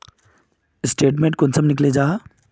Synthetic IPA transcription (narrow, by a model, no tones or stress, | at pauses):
ɪsʈeːʈmẽɳʈ̚kʊnsʰəmnɪkled͡ʑaː